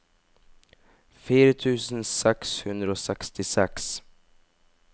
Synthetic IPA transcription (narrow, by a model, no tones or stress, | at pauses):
fiːɾət̪ʰʉ̟ːsənsɛkshɵnd̪ɾaɔsɛkst̪ɪsɛks